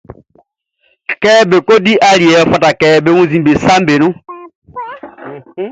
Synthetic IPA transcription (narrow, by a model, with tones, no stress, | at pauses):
kɛ˦be˨ko˦di˦ʔa˦li˨ɛ˨˦fɔ˦˨ta˨kɛː˦be˦wũ˦zi˦˨be˨sa˦mbe˨nũ˦